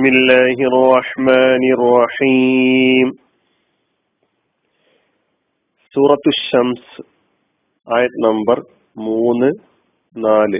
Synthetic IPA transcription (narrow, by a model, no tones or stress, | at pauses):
milːaːɦiɐrːɑħmaːnirːɑħiːm | suːɾɐt̪ːuɕːɐmsɨ | aːjɐt̪ːɨnɐmbɐr | muːnːɨ | naːlɨ